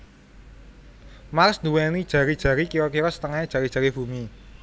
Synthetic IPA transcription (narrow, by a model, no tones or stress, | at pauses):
marsnd̪uwenid̥ʒ̥ä̤ɾid̥ʒ̥ä̤ɾikiɾɔkiɾɔsə̥t̪əŋaidʒ̥ä̤ɾi̥ʒ̥a̤ɾib̥ṳmi